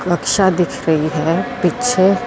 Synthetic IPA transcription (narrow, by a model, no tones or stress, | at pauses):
ɾɐkʃad̪ɪkʰɾɐɦiɦɛːpitːʃʰe